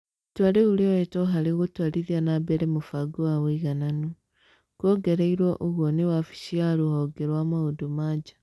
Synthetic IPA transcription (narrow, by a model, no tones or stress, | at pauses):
twaɾeuɾeɔetɔɦaɾeɣotwaɾiðianabeɾemofaɡoaweiɣanano | kwɔɡeɾeiɾwɔʔoɣwɔnewafi̥ʃiaɾuhɔɡeɾwamaodomad͡ʒa